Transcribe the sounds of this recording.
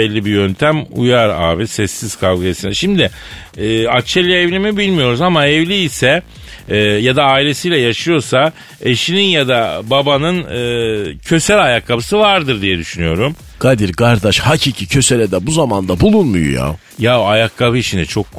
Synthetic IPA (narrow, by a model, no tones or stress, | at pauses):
ɛlʲːibijønt̪ʰæmṵjaɾa̰ːbisɛsːiz̥kʰalˠɡajasinɛʃimd̪ɪ | ɛːat͡ʃʰːɛlʲːɛɛvlʲimibilʲmijo̞ɾuzamaɛvlʲiːsɛ | jad̪aːilʲe̞sijːlʲɛjaʃɯjo̞ɾsa | eʃininjad̪ababanɯnɯːcʰø̞sælʲajakʰːabɯsɯvaɾd̪ɯɾd̪ijɛd̪yʃynyjo̞ɾum | ɡ̥ad̪iɾkaɾd̪aʃhacʰiːcʰicʰø̞selʲɛd̪ɛbuzamand̪abulˠunmṵjṵja̰ | jaoajakʰːaβɯiʃinɛt͡ʃʰo̞kː